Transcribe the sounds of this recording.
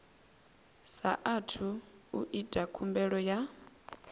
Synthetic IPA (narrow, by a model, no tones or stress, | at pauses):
sa̰ʔatʰuuʔid̥ʱʼakʰumbɛɺɔja